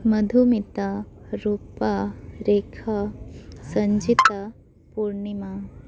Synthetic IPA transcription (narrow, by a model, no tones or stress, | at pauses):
mɐd̪ʱumit̪aɾuːpaɾeːkʰasɐɲd͡ʒit̪a | puɾɳima